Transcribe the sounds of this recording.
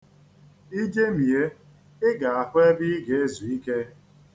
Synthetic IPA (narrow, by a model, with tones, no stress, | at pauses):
i˦d͡ʒe˦mi˨je˦ | ɪ˦ɡa˨a˨xʊ˦e˦bi˦ɡe˨e˦zu˨i˦ke˦